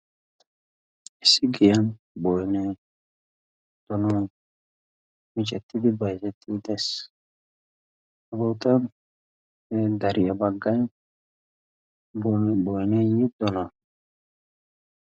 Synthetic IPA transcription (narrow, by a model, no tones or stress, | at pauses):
ɪsːɪɡɪjan | bɔjnɛ | d̪̥ɔnɔ | mɪt͡ʃʼɛt̪ːɪd̪ɪbɐjsɛt̪ʰːɪd̪ɛs | ɐbɔwt̪ɐ | ɛd̪ɐɾɪjɐbɐɡːɐj | bbɔjnɛjid̪ɔna